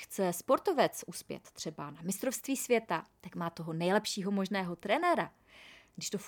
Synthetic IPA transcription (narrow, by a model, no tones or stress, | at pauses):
xt͡sɛspo̞ɾt̪o̞vɛt͡sʔuspjɛ̰t̪ːr̝̥ɛbanamɪst̪ɾo̞fst̪viːsvjɛt̪at̪akmaːt̪o̞ɦo̞nɛjlɛpʃiːɦo̞mo̞ʒnɛːɦo̞t̪ɾɛnɛɾa | ɡdɪʃt̪o̞f